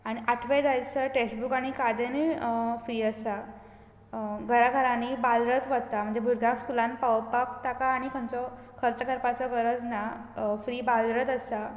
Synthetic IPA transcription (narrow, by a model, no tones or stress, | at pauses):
aɽ̃iʔaʈʰʋed͡zajt͡səʈesʈbukaɽ̃ikad̪enefɾiːəsa | ɡʱəɾakʰəɾãnibalɾət̪ʋəd̪̚t̪am̤əɳd͡zebʱuɾɡãkskulãnpawpakt̪akaːɽ̃ikʰənt͡sɔ | kʰəɾt͡səkʰəɾpat͡sɔkəɾət͡snafɾiːbalɾət̪əsa